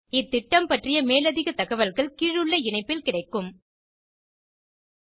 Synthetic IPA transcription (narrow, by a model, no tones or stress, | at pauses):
ɪt̪ːɪʈːɐmpɐʈrɪjɐmeːlɐðɪɣɐt̪ɐɣɐʋɐlɣɐɭkiːɻɯɭːɐɪɳɐɪpːɪlkɪɽɐɪkːɯm